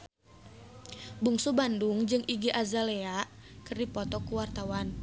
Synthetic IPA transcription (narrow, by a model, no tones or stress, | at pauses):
buŋsubanduŋd͡ʒɨŋʔiɡiʔazalɛakɨrdipɔt̪ɔkuwart̪awan